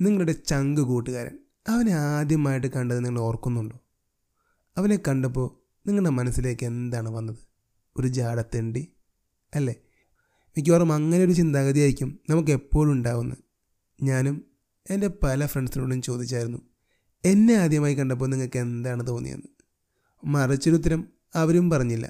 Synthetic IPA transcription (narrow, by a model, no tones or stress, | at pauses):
niŋːɐɭuɽe̞t͡ɕɐŋɡɨkuːʈːɨɣaːɾɐ̰m | ɐʋɐneaːd̪jɐmaːjiʈ̬ːɨkɐɳɖɐðɨniŋːɐɭeo̞ːrkːunːuɳɖoː | ɐʋɐne̞kːɐɳɖɐpːo̞ː | niŋːɐɭɖemɐnɐsːile̞ːkːe̞nd̪aːɳɨʋɐnːɐðɨ | o̞ɾud͡ʑaːɽɐt̪ːeːɳɖi | ɐlːe̞ | mik̬ʲːoːrɐmɐŋːɐnejo̞ɾut͡ɕind̪aːɣɐðijaːɾikʲːumnɐmuk̬ːɨepːo̞ːɭuɳɖaːʋunːɐ̰ | ɲaːnum | ende̞pɐlɐfreɳɖɨsiluɽumt͡ɕo̞ːd̪it͡ɕːaːjiɾunːu | e̞nːe̞aːd̪jɐmaːjikːɐɳɖɐp̬ːoːniŋːɐɭkːe̞nd̪aːɳɨt̪oːnːḭjḛnːɨ | mɐrit͡ɕːɐɾut̪̬ːɐɾɐm | ɐʋɐɾumpɐrɐɲːilːɐ̰